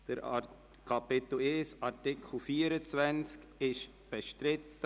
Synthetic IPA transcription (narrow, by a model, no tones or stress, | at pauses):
d̥əɾ | kʰapetleːsaɾtɪkʰl̩fiːəɾət͡svɛnt͡sk | ɪʃ | b̥ɛʃtɾɪtə